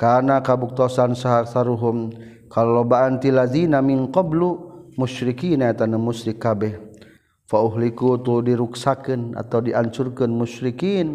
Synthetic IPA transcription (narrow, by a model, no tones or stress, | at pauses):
kanakabuk̚t̪ɔsansaɦasaɾuɦum | kallobaʔant̪ilazinaminqɔblumuʃɾikiːnaɛt̪anamuʃɾikːabɛh | fauɦlikut̪udiɾuksakɨna̰t̪awdiʔaɲt͡ʃurkɨnmuʃɾikiːn